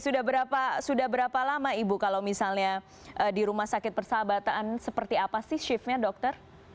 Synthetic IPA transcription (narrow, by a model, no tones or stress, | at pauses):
sudahbəɾapasudaɦbəɾapalamaibukalawmisalɲa | ʔədiɾumahsakɪt̪̚bərsabat̪aansəpərt̪iapasɪhʃɪfɲadɔk̚t̪ər